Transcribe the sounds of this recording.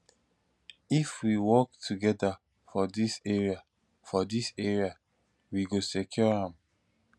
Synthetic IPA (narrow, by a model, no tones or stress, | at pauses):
ifwiwɔktʰuɡɛda | fɔdiseɹia | fɔdiseɹia | wiɡosekʰjɔhãm